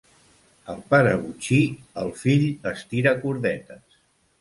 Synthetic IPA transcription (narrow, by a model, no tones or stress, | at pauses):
əlˠpaɾəβut͡ʃiəlˠfiʎəst̪iɾakuɾðɛt̪əs